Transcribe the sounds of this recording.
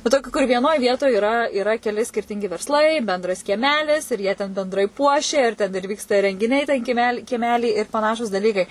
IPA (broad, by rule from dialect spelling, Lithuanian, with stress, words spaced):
ʋɐ ˈtoːkʲuː kʊr ʋʲiɛˈnoːj ˈʋʲiɛtoːj ɪˈrɐ ɪˈrɐ kʲɛˈlʲɪ sʲkʲɪrʲˈtʲɪŋʲɡʲɪ ʋʲɛrsˈlˠɐɪ bʲɛnˈdrɐs kʲiɛˈmʲæːlʲɪs ɪr jiɛ tʲɛn bʲɛnˈdrɐɪ ˈpuɔʃʲɛ ɪr ˈtʲɛn ɪr ˈʋʲiːkstɐ rʲɛŋʲɡʲɪˈnʲɛɪ tʲɛn kʲiɛˈmʲæːlʲɪ kʲiɛˈmʲæːlʲiː ɪr pɐˈnɑːʃuːs dɐˈlʲiːkɐɪ